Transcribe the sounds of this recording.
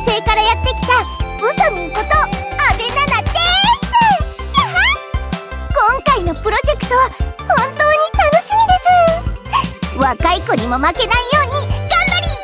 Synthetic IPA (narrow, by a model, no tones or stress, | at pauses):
se̞ːkaɾajat̪ːe̞kʲi̥t̪aɯsomɯoko̞t̪o̞abe̞nanat̪ːe | ha | kõ̞ŋkaino̞pɯ̟ɾo̞ʑe̞kɯ̥t̪o̞β̞ahõ̞nt̪o̞ːɲ̟it̪ano̞ɕimʲid̪e̞sɨ | βakaiko̞ɲ̟imo̞make̞naijo̞ːɲ̟iɡ̥ãmbaɾʲi